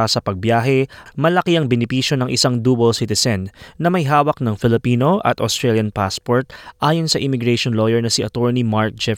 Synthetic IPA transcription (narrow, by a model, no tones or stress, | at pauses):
asɐpɐɡ̚bjaːɦɛmɐlɐkiɐŋbɛnɪpiːʃjo̞nɐŋʔɪsaŋd̪uːbolsit̪ɛsɐnːɐmɐjɦaːwɐk̚nɐŋfɪlɪpiːno̞ʔɐ̰t̪ɐst̪ɾɛljɐnpaspoɹt̪̚ʔaːjonsɐʔɪmɪɡɹɛʃonlojɛɹnɐsɪʔɐt̪oɹnimaɹk̚d͡ʒɛ